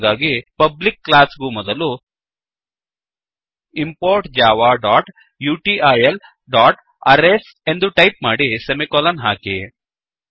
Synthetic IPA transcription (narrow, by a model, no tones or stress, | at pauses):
ɡ̪aːɡipɐblikːlaːsɡumɔd̪ɐlu | impoːɾʈd͡ʒaːʋaːɖaːʈ | juːʈiːʔajel | ɖaːʈ | ɐɾes | e̞nd̪uʈɐjp̚maːɽisemikɔːlɐnɦaːki